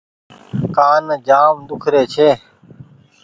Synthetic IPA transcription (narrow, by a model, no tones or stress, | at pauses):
kaːnːd͡ʒaːmd̪ʊkʰɾeːt͡ʃʰeː